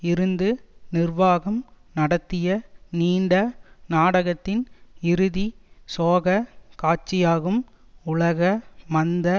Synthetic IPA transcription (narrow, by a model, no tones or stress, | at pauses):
ɪɾɯnd̪ɯnɪrʋaːɣɐm | nɐɽɐt̪ːɪjɐniːɳɖɐnaːɽɐɣɐt̪ːɪnɪɾɯðisoːɣɐkaːt͡ʃɪjaːɣɯm | ʊɭɐɣɐmɐnd̪ɐ